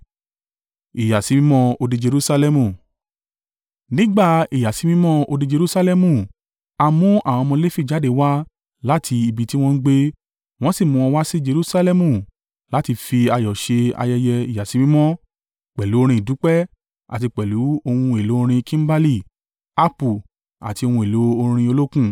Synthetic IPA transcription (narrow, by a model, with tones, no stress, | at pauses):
i˨ja˨si˨˦mĩ˦mɔ̃˧o˧di˧d͡ʒe˧ɾu˦sa˧lɛ˧mũ˧˨ | nĩ˦ɡ͡ba˦˨i˨ja˨si˨˦mĩ˦mɔ̃˦o˧di˧d͡ʒe˧ɾu˦sa˧lɛ˦˧mũ˧˨ | a˧mũ˦a˦˨w̃ɔ̃˧mɔ̃˧le˦fi˦˨d͡ʒa˨˦de˦wa˦ | la˦tʰi˧i˧bi˨ti˦w̃ɔ̃˧n̩˦ɡ͡be˧ | w̃ɔ̃˦si˦˨mũ˧w̃ɔ̃˧wa˦si˦d͡ʒe˧ɾu˦sa˧lɛ˧mũ˦˧˨ | la˨˦ti˧fi˧a˧jɔ˨ʃe˧a̰˧jɛ˧jɛ˧i˨ja˨si˨˦mĩ˦mɔ̃˦ | k͡pɛ˨lu˨˦o˧ɾ̃ĩ˧˨i˨du˨˦k͡pɛ˦ | a̰˨ti˧k͡pɛ˨lu˨˦o˧hũ˧e˨lo˨˦o˧ɾ̃ĩ˧kĩ˦m̩˦ba˦li˦˨ | a˦pu˨ | a̰˨ti˧o˧hũ˧e˨lo˨˦o˧ɾ̃ĩ˧o˧lo˦kũ˦